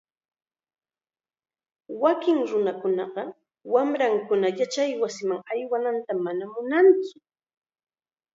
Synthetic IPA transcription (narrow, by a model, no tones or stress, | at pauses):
wakɪŋɾʊnakʊnɑɢɑ | wamɾaŋkʊnajat͡ʃajwasɪmaŋajwanant̪amanamʊnaŋt͡sʊ̥